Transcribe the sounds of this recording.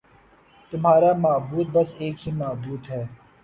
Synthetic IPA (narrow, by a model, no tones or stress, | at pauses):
t̪ʊmɦaːɾaːmaːbuːt̪̚bɐseːkɦiːmaːbuːt̪ɦɛː